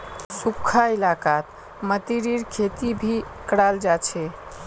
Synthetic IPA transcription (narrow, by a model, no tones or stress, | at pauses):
sukʰailakat̪ | mət̪iɾiɾkʰet̪ibʱikəɽald͡ʒat͡ʃʰɛ